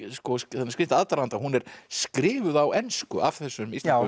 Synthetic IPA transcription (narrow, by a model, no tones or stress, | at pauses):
skɔsθɛnːskɾɪhnt̪aðt̪aɾant̪ahunɛɾ̥skɾɪːvʏðawɛnskʏʔav̥θɛsːʏmist̪